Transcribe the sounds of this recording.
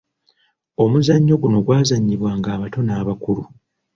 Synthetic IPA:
o̞muzaɲːo̞ɡuno̞ɡwaːzaɲːiβwaːŋɡaːβato̞naːβakuɾu

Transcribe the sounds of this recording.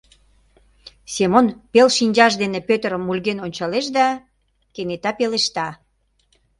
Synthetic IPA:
semonpelʃinʲd͡ʑɑʃd̪enepøt̪əɾəmːulɣenonʲt͡ɕɑleʃ̬d̪ɑ | kenet̪ɑpeleʃt̪ɑ

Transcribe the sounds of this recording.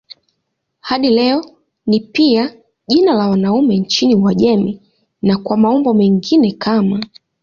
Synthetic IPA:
haɗilɛɔ | nipia | ʄinalawanaumɛɲt͡ʃiniwaʄɛmi | nakwamaɔmbɔmɛŋɡinɛkʰama

